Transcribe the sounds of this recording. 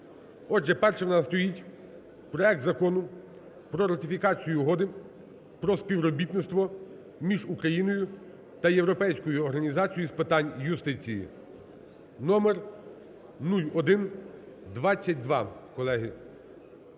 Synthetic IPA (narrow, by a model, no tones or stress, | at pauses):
ɔʒɛpɛrʃɛwnɑst̪ɔjitʲ | pɾɔɛk̚t̪zɐkɔnʊ | pɾɔɾɐt̪ɪfʲikɑt͡sʲijʊɦɔd̪ɪ | pɾɔspʲiʋɾɔbʲit̪nɪst̪ʋɔ | mʲiʒukɾɐjinɔjʊ | t̪ɐjewɾɔpɛjsʲkɔjʊɔɾɦɐnʲizɑt͡sʲijispɪt̪ɑnʲjʊst̪ɪt͡sʲijḭ | nɔmɛr | nulʲɔd̪ɪn | d̪ʋɑt͡sʲːɐt̚ʲd̪ʋɑ̰kɔlˠɛɦɪ